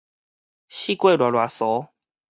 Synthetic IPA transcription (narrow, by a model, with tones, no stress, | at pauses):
ɕi˦kwe˥˧˨lwa˨˩lwa˨˩sɔ˨˦